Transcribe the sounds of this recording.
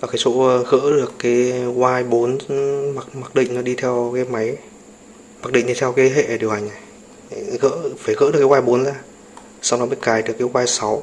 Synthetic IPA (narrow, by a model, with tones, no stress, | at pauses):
vaː˨˩kaː˨˦jso̰˧˥˧ɣə̰ː˧˥ɗɨ˨˩əkːaː˨˦jɣwaː˧jɓo˨˦nma˨˩k̚ma˨˩k̚ɗḭ̈˧˨ŋ̟nɔ˨˦ɗi˧t̪ʰɛ˧wkaː˨˦jma˨˦j | ma˨˩k̚ɗḭ˧˨ŋ̟ɗi˧t̪ʰɛ˧wkaː˨˦jɦḛ˧˨˩ɗi˨˩əwha˨˩ŋ̟a˨˩j | ɣə̰˧˥faː˧˩ɣɨ̰˧˥ɗka˨˦wːjɓo˨˦nzaː˧˩ | sa˧wŋ͡mnɔ˨˦ḭ˧˨kaː˧˩jɗɨ˨˩əkːa˨˦kwaː˧jsa˨˦w